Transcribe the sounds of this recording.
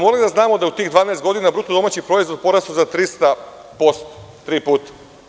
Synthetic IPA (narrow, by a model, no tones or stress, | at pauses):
molid̪aznaːmod̪aeut̪iːɣd̪ʋaːnaest̪ɡo̞d̪inabɾut̪od̪o̞maːt͡ɕipɾo̞izʋo̞d̪̚po̞ɾast̪uzat̪ɾist̪a | po̞st̪o̥t̪ɾiːpuːt̪ḁ